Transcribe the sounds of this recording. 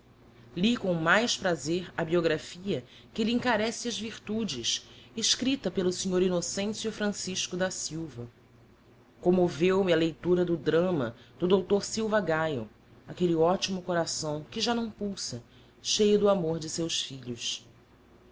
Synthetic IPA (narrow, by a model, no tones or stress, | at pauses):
likõw̃majʃpɾazeɾɐbioɡɾafiɐ | kɪliĩŋkaɾɛsɪɐzviɾt̪ud͡ʒɪsɪʃkɾit̪ɐpelʊsiɲoɾinosẽsjʊfɾɐ̃siʃkʊd̪ɐsiwvɐ | kõmovewmɪɐlejt̪uɾɐd̪ʊd̪ɾɐ̃mɐ̰d̪̥ʊd̪owt̪oɾsiwvɐɡajʊ | akelɪɔt͡ʃimʊkoɾasɐ̃w̃kɪʒanɐ̃w̃puwsɐ | ʃejʊd̪ʊamoɾd͡ʒɪsewsfiʎʊʃ